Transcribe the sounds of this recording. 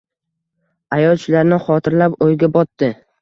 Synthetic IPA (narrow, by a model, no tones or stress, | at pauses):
ajɒlˠt͡ʃʰɪlaɾnɪχɒt̪ʰɪɾlapojɡʲabɒt̪ːɪ